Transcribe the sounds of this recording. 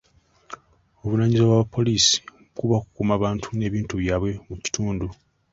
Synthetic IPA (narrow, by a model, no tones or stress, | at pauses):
o̞βunaɲizewaβapʰːo̞liːsi̥ | kuβakukumaβaːntʰu̥ne̞ːβiːntuβjaːβwe̞muci̥tuːndu